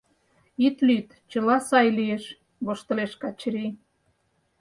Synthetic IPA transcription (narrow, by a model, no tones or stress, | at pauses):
it̪lyt̪ | t͡ɕə̆lɑsɑjlieʃ | βoʃt̪ə̆leʃkɑt͡ɕɾi